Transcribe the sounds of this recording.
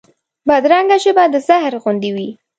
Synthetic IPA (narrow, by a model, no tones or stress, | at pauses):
bad̪ɾaŋɡat͡ʃebad̪əzahɾɣund̪iwi